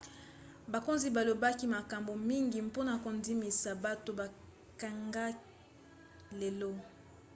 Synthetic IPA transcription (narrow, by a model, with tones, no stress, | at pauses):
ba˨ko˦nzi˨ba˨lo˨ba˦ki˦ma˨ka˨mbo˨mi˦ŋɡi˨mpo˦na˨ko˨ndi˦mi˨sa˨ba˦to˦ba˨ | ka˨ŋɡa˦ | le˨lo˦